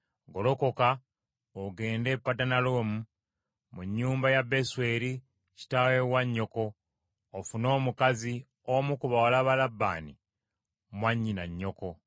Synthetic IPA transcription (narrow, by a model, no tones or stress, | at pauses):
ɡolo̞ko̞ka | oɡe̞ːnde̞pːatanalo̞ːmu | muɲːuːmbajabe̞swe̞ɾi | ci̥tawe̞waɲːo̞ko̞ː | funo̞ːmukazi | omukuβawalaβalabːa̰ːni | mwaɲːinaɲːo̞ko̞